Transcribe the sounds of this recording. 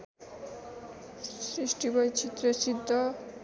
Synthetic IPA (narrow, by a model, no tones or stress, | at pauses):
sɾisʈibʌjt͡ɕʰit̪ɾesid̪ʱːɔ